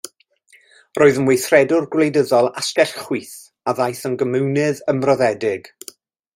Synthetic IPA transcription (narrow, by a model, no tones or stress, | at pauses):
rʔoːɨðənwejθrɛdʊrɡwlejdəðɔlˠaskɛɬχwiːθ | aðajθənɡəmɨwnɨðəmrɔðɛdɪɡ̥